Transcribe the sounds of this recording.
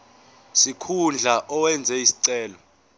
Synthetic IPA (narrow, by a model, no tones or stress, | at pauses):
sikʰund͡ɮʱaʔɔwɛnd͡zʱɛisi̥ǀɛːlɔ